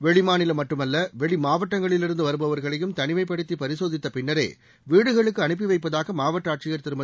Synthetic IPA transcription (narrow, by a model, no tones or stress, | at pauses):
ʋɛɭɪmaːnɪlɐmɐʈːɯmɐlːɐʋɛɭimaːʋɐʈːɐŋɡɐɭɪlɪɾɯnd̪ɯʋɐɾɯbɐʋɐɾɣɐɭɐjɯmt̪ɐnɪmɐɪp̬ːɐɽɯt̪ːipɐɾɪsoːðɪt̪ːɐpɪnːɐɾḛː | ʋiːɽɯɣɐɭɯkːɯɐnɯp̬ːɪʋɐɪp̬ːɐðaːɣɐmaːʋɐʈːaːʈ̚t͡ʃɪjɐɾt̪ɪɾɯmbɐ